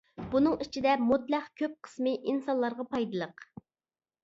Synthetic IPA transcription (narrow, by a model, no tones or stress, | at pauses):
b̥unɨŋit͡ʃʰid̪ɛmot̪læχkʲʰøp̚qʰə̥smɨʔinsɑnlˠɑɾʁɑpɑjd̪ɨlˠəq